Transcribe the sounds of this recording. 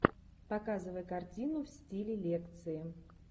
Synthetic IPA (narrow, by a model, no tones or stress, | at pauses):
pɐkazɨvəjkɐrtʲinʊfsʲtʲilʲɪlʲekt̪sɨɪ